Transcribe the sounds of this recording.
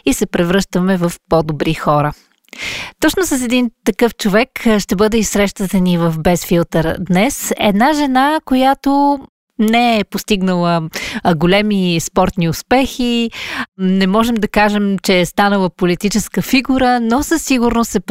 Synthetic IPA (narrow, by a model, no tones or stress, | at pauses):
isɛpɾɛvɾɤʃt̪əmɛvɐfpɔd̪obɾixɔɾə | t̪ɔt͡ʃnosəs̬ɛd̪int̪ɐkɤft͡ʃovɛkʃt̪ɛbɤd̪ɛisɾɛʃt̪ət̪ənivɐfbɛsfilˠt̪əɾd̪nɛsɛ̰d̪naʒɛnakojat̪o | nɛɛpost̪iɡnəlˠəɡolɛmispɔɾt̪niʊspɛxi | nɛmɔʒɛmd̪ɐkaʒɛmt͡ʃɛːst̪anəlˠəpolit̪it͡ʃɛskəfiɡuɾənɔsəsːiɡuɾnost̪ɛp